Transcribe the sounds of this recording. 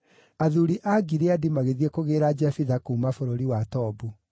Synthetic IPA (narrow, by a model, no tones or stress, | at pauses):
aðuɾiʔaɡiɾeadimaɣeðiɛkoɣeːɾad͡ʒafiðakuːmafoɾoɾiwatɔːbu